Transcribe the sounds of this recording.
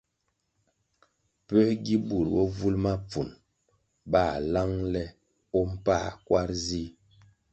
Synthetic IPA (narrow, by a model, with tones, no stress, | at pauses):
pɛ˦ɡi˦bu˨ɾwɔ˦vu˦lma˦p͡fu˨n | ba˦˨la˦ŋlɛ˦ | ɔ˦m̩˦pa˦kwa˦ɾzi˦